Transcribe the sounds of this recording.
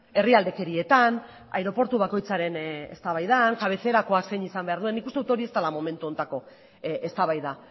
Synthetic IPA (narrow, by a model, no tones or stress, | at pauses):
e̞riald̪e̞ke̞ɾie̞t̪an | a̰jɾo̞po̞ɾt̪uβako̞jt͡saɾe̞ne̞̰st̪aβajðaŋkaβ̞e̞θe̞ɾako̞ase̞jɲisambe̞aɾðue̞nːikust̪eut̪o̞ɾie̞st̪alamo̞me̞nt̪uo̞nt̪ako̞ | est̪aβajða